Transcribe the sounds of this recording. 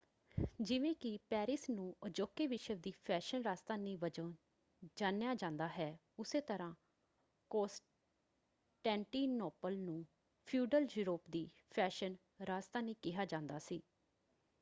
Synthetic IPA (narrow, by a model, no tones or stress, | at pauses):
d͡ʒɪʋẽːkɪpɛːɾɪsnũːəd͡ʒoːkːeːʋɪʃəʋd̪iːpʰɛːʃənɾaːst̪aːnĩːʋəd͡ʒəː | d͡ʒãːnjaːd͡ʒãːnd̪aːɦɛː | ʊseːt̪əɾãː | koːsʈ | ʈɛ̃ːɳʈiːnoːpəlnũː | pʰjuːɖəljuːɾoːpd̪iː | pʰɛːʃən | ɾaːst̪aːnĩːkɪɦaːd͡ʒãːnd̪aːsiː